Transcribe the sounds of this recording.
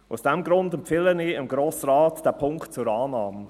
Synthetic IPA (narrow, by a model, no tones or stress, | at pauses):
ʊsd̥ɛmɡɾʊndɛmpfɪləniːɪmɡɾoːsrɑːtd̥æːpʰʊŋktt͡sʊɾɑːnɑːmə